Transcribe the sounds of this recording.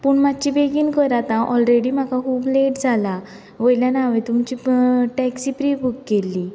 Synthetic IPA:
puɳmat͡ɕibeɡiːnkəɾat̪ãʔɔlɾeɽiːm̤akakuːbleʈd͡zʱala | ʋəjljanaʋẽt̪umt͡ɕiːʈɛksipɾibukːelːi

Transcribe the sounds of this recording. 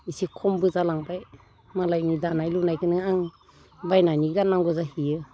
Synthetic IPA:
isikʰɔmbɯzalaŋbaj | malajnidanajlunajkʰɯnɯaŋ | bajnaniɡanaŋɡɔzahiɯ

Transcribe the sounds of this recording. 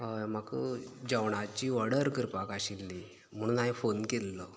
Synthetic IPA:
ɦəjm̤akəd͡ʑəʋɽat͡ɕiːʋəɽəɾkəɾpakaɕilːi | m̤əɽ̃uːnaɦifonkelːɔ

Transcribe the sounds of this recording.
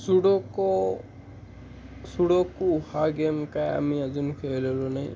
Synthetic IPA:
suɽɔkɔ | suɽɔkuːhaɡemkaja̰miad͡ʒunkʰelɔlɔnaj̃

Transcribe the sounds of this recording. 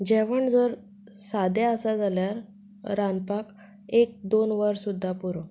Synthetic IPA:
d͡ʑeʋəɳd͡zəɾ | sad̪eəsad͡zaljaɾː | anpak | ek̚d̪onʋəɾsud̪ʱːapuɾo

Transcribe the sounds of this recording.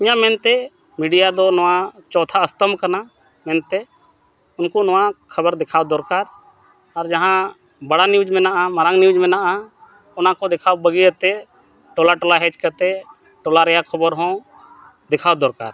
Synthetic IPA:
iɲãmɛnt̪ɛ | miɖijad̪ɔnɔwat͡ʃɔt̪ʰaəst̪əmkana | mɛnt̪ɛ | ʊnkɔnɔwakʰəbəɾd̪ɛkʰawd̪ɔɾkaɾ | aɾd͡ʒaɦã | bɐɽaniud͡ʒmɛnaʔamaɾaŋniud͡ʒmɛnaʔa | ɔnakɔd̪ɛkʰawbəɡiət̪ɛ | ʈɔlaʈɔlaɦɛd͡ʒkət̪ɛ | ʈɔlaɾɛjakʰəbəɾɦɔ̃ | d̪ɛkʰawd̪ɔɾka̰ɾ

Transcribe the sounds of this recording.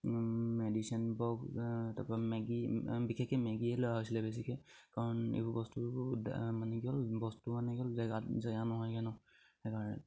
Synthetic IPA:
medisiɔnbɔɡtapamɛɡibikʰɛkɛmɛɡielɔjaɦɔjsilɛbɛs̬ikʰɛkaɹɔnḭbɔbɔstud̰manɛɡiɔlbɔstumanɛɡɔlzɛɡatzaɡanɔɦɔjkɛnɔ | hɛkaɹɔnɛ̰

